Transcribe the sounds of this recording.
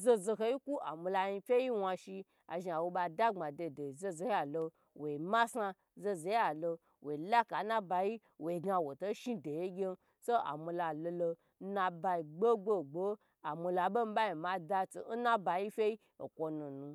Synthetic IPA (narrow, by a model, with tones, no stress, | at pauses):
zo˧zo˧ɦe˧ji˦ku˦a˨mu˧la˧ɲi˧fʲe˦i˦wa˧ʃi˧ | a̰˨ʒi˧a˨wo˧ɓa˧da˦ŋ͡ma˨de˧˨de˨zo˧zo˨he˦a˨lo˧ | wʔo˨i˨ma˦sa˧ | zo˧ze˨˧˦a˨lo˧ | wʔo˨i˨la˦ka˨˦na˦ba˧ji˦ | wo˨i˨ɡa˧wo˨to˦ʃi˦de˨je˦ɡʲe˦n˦ | so˦a̰˨mu˧la˧lo˧lo˧˦ | nã˧ba˧i˨ɡ͡bo˦ɡ͡bo˦˨ɡ͡bo˦ | a˨mu˧la˨bo˦m̩˦ba˦ji˨ma˨da˧t͡so̰˨n̩˦na˦ba˧ji˦fʲe˦i˦ | o˨kʷo˧nu˨nũ˨˧